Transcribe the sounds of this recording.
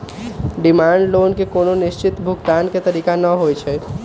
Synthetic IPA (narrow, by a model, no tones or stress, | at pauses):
ɖimaɳɖlonkekononist͡ʃit̪bʱukt̪anket̪əɾiːkanəɦojt͡ʃʰɛ